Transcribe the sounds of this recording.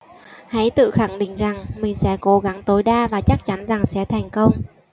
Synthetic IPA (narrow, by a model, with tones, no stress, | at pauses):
ha̰˧˥jt̪ɨ̰˧˨xa˧˩ŋɗḭ˧˨ŋ̟za˨˩ŋmï˨˩ŋ̟sɛ̰˧˥ko˨˦ɣa˨˦ŋt̪o˨˦jɗaː˧vaː˨˩t͡ɕa˦˥k̚t͡ɕa˨˦nza˨˩ŋsɛ̰˧˥t̪ʰɛ˨˩jŋ̟kə˧wŋ͡m